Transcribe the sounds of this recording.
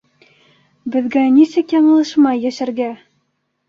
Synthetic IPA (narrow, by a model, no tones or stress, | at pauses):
bɘ̆ðɡænisɘkjɑɴɤ̆lˠɤʃmɑjːæʃæɾɡæ